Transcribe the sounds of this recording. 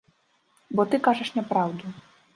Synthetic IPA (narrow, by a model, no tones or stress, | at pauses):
bɔt̪ɨkaʐɐʂnʲɛpɾawd̪u